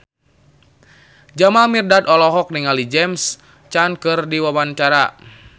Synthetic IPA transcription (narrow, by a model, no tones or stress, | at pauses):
d͡ʒamamirdadɔlɔɦɔk̚niŋalid͡ʒɛms | t͡ʃankɨrdiwawant͡ʃaɾa